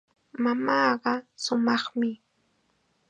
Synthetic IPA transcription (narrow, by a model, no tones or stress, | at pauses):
mamɑːɢɑsʊmɑχmɪ